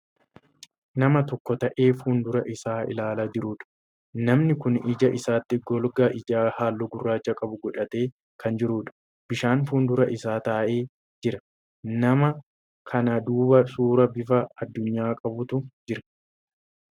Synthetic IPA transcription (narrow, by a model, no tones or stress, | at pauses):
nɐmɐt̪ɔkːɔt̪ɐʔe̞ːfuːnd̪ʊɾɐʔɪsaːɪ̰laːlɐd͡ʒɪɾuːᶑɐ̥ | nɐmnɪkʊnɪd͡ʒɐʔɪsaːt̪ːɪɡɔlɡaːʔɪd͡ʒaːhaːlːɔɡʊrːaːt͡ʃːɐkʼɐbʊɡɔᶑɐt̪e̞ː | kʰɐnd͡ʒɪɾuːᶑɐ̥ | b̥ɪʃaːnfuːnd̪ʊɾɐʔɪsaːt̪aːʔeː | d͡ʒɪɾɐ | nɐmɐ | kʰɐnɐd̪uːbɐsuːɾɐbɪfɐɐd̪ːʊɲːaːkʼɐbʊt̪ʊd͡ʒɪɾɐ̥